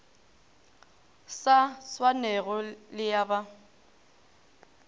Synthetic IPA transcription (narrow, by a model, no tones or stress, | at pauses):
saswanɛɣɔlɪjaba